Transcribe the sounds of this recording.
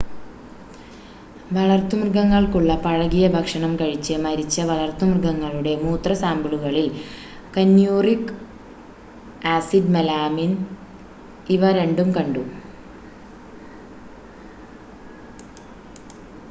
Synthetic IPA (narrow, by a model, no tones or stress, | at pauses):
ʋɐɭɐrt̪ːumrɡɐŋːɐɭkuɭːɐpɐɻɐɣijɐbʱɐkʂɐɳɐmkɐɻit͡ɕːɐmɐɾit͡ɕːɐʋɐɭɐrt̪ːumrɡɐŋːɐɭuɽe̞muːt̪rɐsaːmbuɭuɣɐɭil | kɐnjuːrik | aːsidmɐlaːmin | iʋɐɾe̞ɳɖumkɐɳɖu